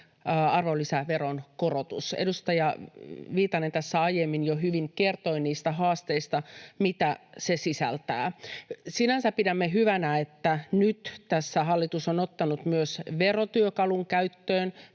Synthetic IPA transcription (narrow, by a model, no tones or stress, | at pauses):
ɑrʋolːisæʋeronkorot̪usedust̪ɑjɑʋiːt̪ɑnent̪æsːæɑjemːinjoɦyʋiŋke̞rt̪oiniːst̪æɦɑːst̪eist̪ɑmit̪æsesisæ̰lt̪æ̰ːsinænsæppidæmːeɦyʋænæet̪ːænyt̪t̪æsːæɦɑlːit̪usonot̪ːɑnut̪myøsʋerot̪yøkɑluŋkæyt̪ːøːn